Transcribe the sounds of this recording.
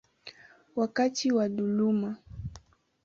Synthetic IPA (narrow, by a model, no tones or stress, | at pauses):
wakatiwaɗuluma